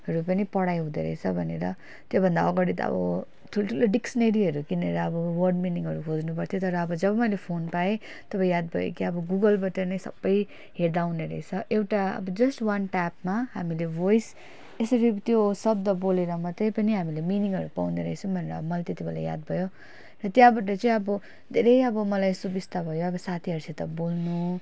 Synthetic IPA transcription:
ɦʌɾupʌnipʌɽajɦũd̪ḛɾʌ̰jt͡sʰʌbʱʌnḛɾʌ | t̪jobʱʌnd̪aʌɡʌɽit̪ʌ̰bʌ̰ | t̪ʰult̪ʰuloɖiksʌneɾiɦʌɾukinʌɾʌːbʌwʌrɖminiŋɦʌɾukʰod͡znupʌrt̪ʰjot̪ʌɾʌːbʌd͡zʌbʌmʌjlepʰonpae | t̪ʌpajjad̪̚bʱʌjo̰kiʌbʌɡuɡʌlbʌʈʌnʌjsʌ̰bːʌj | ɦeɾd̪awneɾʌ̰ɦit͡sʰʌʔewʈaʌ̰bʌd͡zʌsʈwʌnʈapmaɦamilebojs | esʌɾit̪josʌb̚d̪ʌboleɾʌmʌt̪ʌjpʌniɦamileminiŋɦʌɾupa̰wneɾʌɦet͡sʰʌ̃bʱʌneɾʌːbʌmʌlajt̪et̪ibʱela̰ja̰d̪̚bʱʌjo | rʌt̪jãbaʈ̬ʌt͡sʌĩʌbʌ | d̪ʱeɾʌjʌbʌmʌlajest̪obist̪abʱʌjoʌbʌsat̪ʰiɦʌɾsʰit̪ʌbolnu

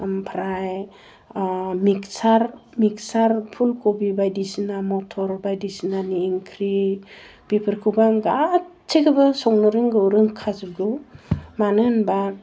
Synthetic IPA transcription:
mpʰɾaj | miksaɾmik̚saɾpʰulkobibajdisinamɔtʰɔɾbajdisinaniːŋkʰɾi | bipʰɯɾkʰubaŋɡat | t͡ʃʰekʰɯbasɔŋnɯɾɯŋɡɯwɾɯŋkʰazɯɡɯmanɯnba

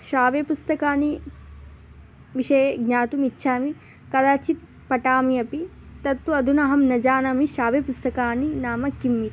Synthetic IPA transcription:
ʃaːʋeːpust̪ɐkaːni | ʋiʃɐjeɡɲaːt̪umitːʃʰaːmi | kɐd̪aːt͡ʃit̪̚ | pɐʈaːmiɐpi | t̪ɐt̪ːuɐd̪ʱunɐɦɐmnɐd͡ʒaːnɐmiʃaːʋeːpust̪ɐkaːninaːmɐkimːit̪

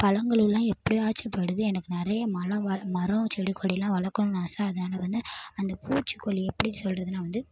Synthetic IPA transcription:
pɐlɐŋɡɐɭɯlːãːɛpːɐɽiaːt͡ʃːɐpːɐɽɯðɯɛnɐkːɯnɪɾɐjɐmɐlɐ̃ʋɐmɐɾɐ̃t͡ʃɛɽikʰːɔɽɪlãːʋɐɭɐɾkːɐɳʊ̃naːsaːɐðɐnaːlɐʋɐnd̪ɯɐnd̪ɐpʰuːt͡ʃːɯ̥kːɔɭːiɛpːɐɽinsɔlrɐðɯnaːʋɐnd̪ɯ

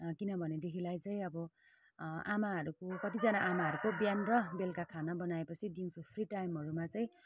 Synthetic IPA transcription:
kinʌbʱʌned̪ekʰilajt͡sʌĩʌbʌ | amaɦʌɾukokʌt̪id͡zʌnaʔamaɦʌɾukobjanrʌbelkakʰanʌbʌnaepʌt͡sʰid̪iŋsopʰriʈajmɦʌɾumat͡sʌĩ

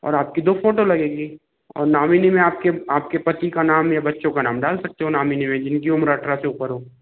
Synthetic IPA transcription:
ɔ̰ːɾaːp̚kid̪oːfoːʈolɐɡeːɡiː | ɔ̰ːɾnaːmiːnimẽaːp̚keaːp̚kepɐt̪ikanaːmjabɐtːʃõkanaːmɖaːlsɐk̚t̪eɦõnaːmiːnimẽd͡ʒɪnkiʊmɾəʈɾaseʊpəɾɦoː

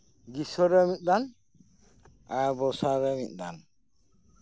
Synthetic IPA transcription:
ɡisɔɾɛmit̪̚ˀd̪an | abɔsaɾɛmḭt̪̚ˀd̪a̰n

